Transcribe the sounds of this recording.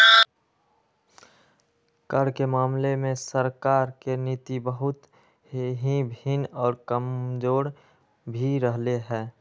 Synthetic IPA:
kəɾkemaːmlemẽsəɾkaːɾkenit̪ibəɦʊt̪ | ɦibʱinɔːɾkəmd͡ʒoːɾ | bʱiɾəɦleɦɛ̃ː

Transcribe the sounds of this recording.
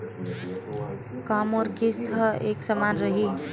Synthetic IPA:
kamoɾkist̪ʰəeksəmanɾəɦi

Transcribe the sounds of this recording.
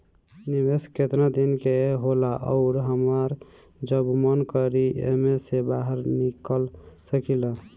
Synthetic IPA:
nibesket̪nad̪inkeɦolaʔə̰ʊɾɦəməɾ | d͡ʒəbmənkəɾiḛmesebaɦəɾnikəlsəkilə

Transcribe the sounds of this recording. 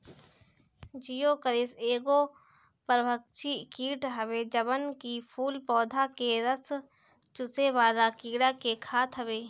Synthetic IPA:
d͡ʒijoːkəɾɪseːɡo | pəɾbʱək̚t͡ʃʰikiːʈɦəʋed͡ʒəbənkipʰuːlpɔːd̪ʱakeɾəs | t͡ʃʊseʋaːlakiːɽakekʰaːt̪ʰɦəʋeː

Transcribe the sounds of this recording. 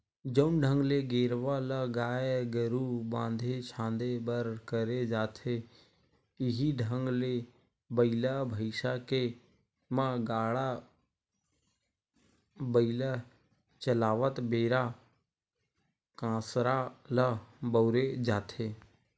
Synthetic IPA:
d͡ʒəʊnɖʱə̃ŋɡleɡeːɾʋaləɡaːeɡəɾubãːnd̪ʱet͡ʃʰãːnd̪ebəɾkəɾed͡ʒaːt̪ʰe | ɪɦiɖʱə̃ŋɡle | bəɪilabʱəɪʃake | mãɡaːɽa | bəilə | t͡ʃəlaːʋət̪beːɾa | kãːsɾaləbəʊɾed͡ʒaːt̪ʰeː

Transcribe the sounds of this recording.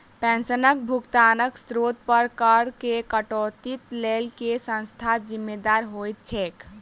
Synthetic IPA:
pɛ̃nsənək̚bʱukt̪anəksɾot̪̚pəɾkəɽkekəʈot̪it̪lelkesə̃nst̪ʰad͡ʒimːed̪aɾɦojt̪̚t͡ʃʰɛk

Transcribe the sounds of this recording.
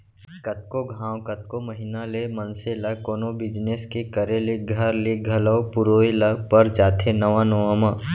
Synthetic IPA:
kət̪̚koɡʱãːwkət̪̚koməɦinalemənselakoːnobɪd͡ʒneskekəɾeleɡʱɐɾleɡʱɐləopʊɾoːilapəɾd͡ʒaːt̪ʰenəʋãnəʋaːmãː

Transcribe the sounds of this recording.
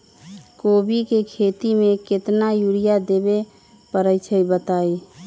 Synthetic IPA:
kobikekʰet̪imeket̪najuɽijad̪ebe | pəɾəjt͡ʃʰəibət̪ai

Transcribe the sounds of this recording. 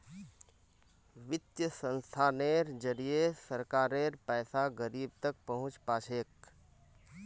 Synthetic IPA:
ʋɪt̪jəsə̃nst̪ʰaːneːɾd͡ʒəɾijesəɾkaːɾeːɾpɛːsaɡəɾiːb̚t̪ək̚pəɦʊ̃t͡ʃpaːt͡ʃʰeːk

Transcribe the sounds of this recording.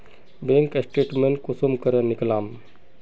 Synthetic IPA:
bẽŋksʈeːʈmẽnkusumkəɾənɪklaːm

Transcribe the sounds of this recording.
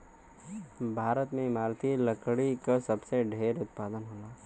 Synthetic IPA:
bʱaːɾət̪mẽɪmaːɾt̪ʰilɐkɽikasɐbseɖʱeːɾʊt̪̚paːd̪ənɦoːlaː

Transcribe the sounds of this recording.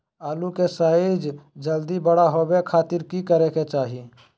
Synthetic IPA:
aːlukesaːid͡ʒd͡ʒəld̪ibəɽaɦobekʰaːt̪ɪɾkikəɾeket͡ʃaːɦi

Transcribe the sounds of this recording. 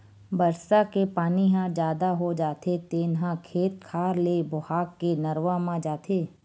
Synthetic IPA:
bəɾsakepaːniɦãd͡ʒjaːd̪aɦod͡ʒaːt̪ʰet̪eːnɦãkʰeːt̪̚kʰaːɾleːbʊhaːkːenɐɾʋamãd͡ʒaːt̪ʰeː

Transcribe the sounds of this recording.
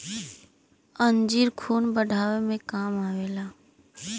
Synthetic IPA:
ənd͡ʒiːɾkʰuːnbəɖʱaːʋemẽkaːmaːʋeːlaː

